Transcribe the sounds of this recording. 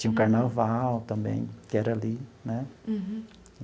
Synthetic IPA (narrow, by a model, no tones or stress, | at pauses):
t͡ʃĩɲɐũkaɾnavawt̪ɐ̃mbḛ̃j̃kɪɛɾɐalinɛ